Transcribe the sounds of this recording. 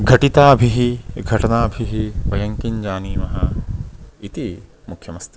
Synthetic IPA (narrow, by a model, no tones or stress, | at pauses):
ɡʱɐʈit̪aːɐbʱiɦiɡʱɐʈɐnaːɐbʱiɦiʋɐjɐŋkiɲd͡ʒaːniːmɐɦɐ | it̪i | mukʰjɐmɐst̪i